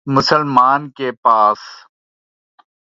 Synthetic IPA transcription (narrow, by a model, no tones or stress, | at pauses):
mʊsəlmaːnkeːpaːs